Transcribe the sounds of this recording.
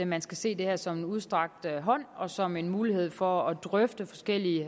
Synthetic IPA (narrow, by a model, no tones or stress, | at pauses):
mænsɡ̥æse̝̰ːd̥e̝heɐ̰sɒ̽menuð̞ˠsd̥ʁɑ̈ɡ̥̚d̥ɦɒ̽n̰ɒ̽sɒ̽me̝nmuːlihe̝ð̞̰ˠfɒ̽ɒd̥ʁœfd̥əfɒ̽sɡ̥el̰iə